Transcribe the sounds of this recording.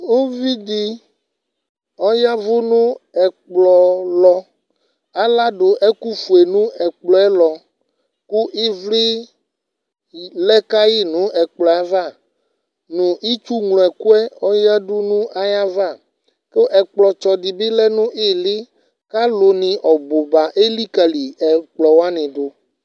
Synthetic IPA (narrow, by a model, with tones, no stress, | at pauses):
wo˦vi˦d̪i˦ | ɔ˦ja˦vu˦nũ˦ɛ˨k͡plɔ˨lɔ˨ | a˦la˦ɖo˨ʔe˦ku˦fu˨e˨nũ˦ɛ˨k͡plɔ˨ɛ˦lɔ˨ | ku˦ʔi˦vli˦ | lɛ˦ka˦ji˦nũ˨˦ɛ˨k͡plɔ˨a˨va˦˨ | nũ˨ʔi˦t͡ʃu˦ŋlɔ̃˨ɛ˨ku˦ɛ˦ɔ˦ja˦ɖu˦nũ˦ʔa˨ja˦va˦˨ | ke˦ʔɛ˨k͡plɔ˨t͡ʃɔ˨di˨be˦lɛ˦nũ˦ʔe˦li˦ | ka˦lo˨nĩ˨ʔɔ˨bo˨ba˨ʔe˦li˦ka˨li˨ɛ˨k͡plɔ˨wa˦nĩ˨ɖo˦